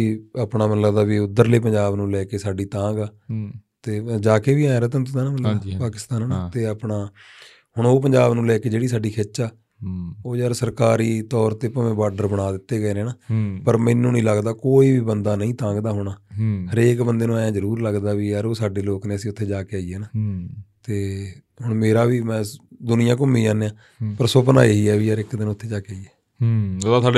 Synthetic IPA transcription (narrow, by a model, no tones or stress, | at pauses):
iaːpɳaːmənləbd̪aːʋiːʊd̪ːəɾleːp̬ə̃ɲd͡ʒaːbnũːlɛːkeːsaːɖiːt̪ãːɡaːt̪eːd͡ʒaːkeːʋiːaːaːɾəːt̪ə̃nt̪ʊaːnaːməpaːkɪst̪ãːnːnaːt̪eːapɳaː | hʊɳoːp̬əɲd͡ʒaːbnũːlɛːkeːd͡ʒeːɽiːsaːɖiːkʰeːt͡ʃaː | oːjəɾsəɾkaːɾiːt̪ɔːɾt̪eːpəʋẽːbaːɖəɾbəɽ̃aːd̪ɪt̪ːeːɡəeːneːnaːpəɾmɪnːũːnĩːləɡd̪aːkoːiːʋiːbənd̪aːnəĩːt̪ãːŋɡd̪aːɦʊɽ̃aːhəɾeːkbənd̪eːnũːaːjãːzəɾuːɾləɡd̪aːʋiːjaːɾoːsaːɖeːloːkneːəsĩːʊt̪ʰːeːd͡ʒaːkeaːiɛːnaːt̪eː | ɦʊɳmeːɾaːʋiːmɛ̃ːd̪ʊnɪjãːk̬ʊmːĩːãːnẽːãː | pəɾsʊp̬na̰ːiɦiːɛːʋiːjaːɾɪkd̪ɪnʊt̪ʰːeːd͡ʒaːkeaːiːɛː | ot̪ːt̪ːɖ